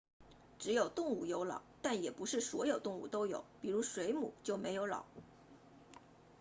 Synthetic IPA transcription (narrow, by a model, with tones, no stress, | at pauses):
ʈ͡ʂɻ̩˧˥jo˨˩ʊt̪ʊ˥˧ŋu˥˩jo˧˥ʊlɑ̰˨˩˦ʊt̪a˥˩njɛ˨˩pu˧˥ʂɻ̩˥˩swɔ˧˥jo˨˩ʊt̪ʊ˥˧ŋṵ˥˩t̪o˥ʊjo̰˨˩˦ʊpi˨˩ɻu˧˥ʂwe˧˥ɪmṵ˨˩˦t͡ɕjo˥˩ʊme˧˥ɪjo˧˥ʊlɑ̰˨˩˦ʊ